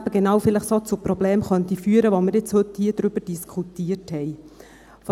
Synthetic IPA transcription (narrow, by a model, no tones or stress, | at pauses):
b̥əɡenɑwfɪləχsot͡sʊpɾɔbleːmχœnt̪ifyːəɾəʋomɪɾjɪt͡shɵthiːəd̥̪ɾʏb̥əɾd̥iskʰχutiːəthɛɪ | f